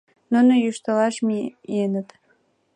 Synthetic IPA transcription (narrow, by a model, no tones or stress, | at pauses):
nunojuʃt̪əlɑʃmienət̪